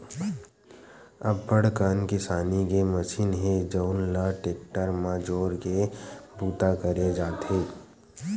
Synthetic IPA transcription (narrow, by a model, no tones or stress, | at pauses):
ɐbːəɽ̤kaːnkɪsaːnikeməʃiːnɦẽd͡ʒəʊnlaʈeːk̚ʈəɾmaːd͡ʒoːɾkebuːt̪akəɾed͡ʒaːt̪ɦeː